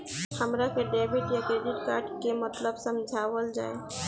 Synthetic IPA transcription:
həmɾakeɖeːbʱiʈjakɾeːɖɪʈkaːɾʈkemət̪ləbsəmd͡ʒʱaːʋəld͡ʒa̰ːe

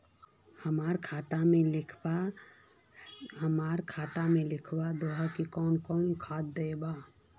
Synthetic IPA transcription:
həmaɾkʰat̪amelɪkʰba | ɦəmaɾkʰat̪amelɪkʰbad̪oɦakikɔnkɔnkʰat̪̚d̪əjba

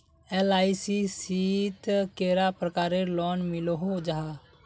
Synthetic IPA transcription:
elaːisisit̪keːɾapɾəkaːɾelɔːnmɪlɦod͡ʒaɦa

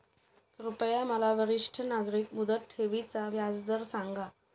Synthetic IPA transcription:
kɾupəjaməlaʋəɾiʂʈʰənaɡɾiːkmud̪ət̪heʋit͡saʋjad͡zd̪əɾsaŋɡa

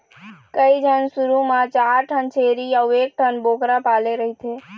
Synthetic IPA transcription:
kəjd͡ʒʱənsuɾumat͡ʃaɾʈʰənt͡ʃʰeɾiawek̚ʈʰənbokɾapaleɾəɦit̪ʰe

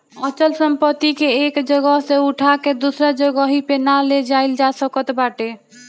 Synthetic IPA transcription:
ət͡ʃəlsəmpət̪ikeekd͡ʒəɡəɦseuʈʰaked̪usɾəd͡ʒəɡəɦipenaled͡ʒaɪld͡ʒasəkət̪baʈe

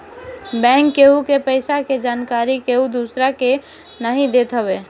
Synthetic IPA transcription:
bɛ̃ːŋkːeɦukepəɪsaked͡ʒaːnkaːɾikeɦud̪usɾake | naɦĩd̪et̪ɦəbeː

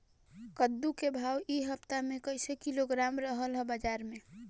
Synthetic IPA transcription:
kəd̪ːukebʱawiɦəpt̪amekəɪsekiloɡɾamɾəɦəlɦəbəd͡ʒaɾme

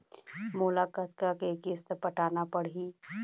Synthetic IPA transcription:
mulakat̪kakekist̪pəʈʰaːnapəɽ̤i

